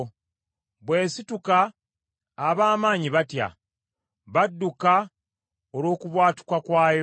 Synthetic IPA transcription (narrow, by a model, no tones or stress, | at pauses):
βwe̞ːsitukaː | βaːmaːɲiβatja̰ | βadːuka | olwo̞ːkuβwaːti̥kwakwaːj